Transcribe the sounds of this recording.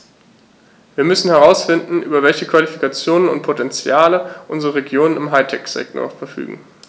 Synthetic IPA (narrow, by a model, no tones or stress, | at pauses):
viːɐmʏsn̩hɛʁ̞aʊsfɪndn̩ʔyːbɐvɛlçəkv̥alifikat͡sjoːnənʊ̰nt̚pʰotʰɛnt͡sjaːləʔʊnzəʁəʁeɡjoːnənɪmɦaɪtʰɛkz̥ɛ̰k̚to̰ɐfɛɐfy̰ːɡŋ̩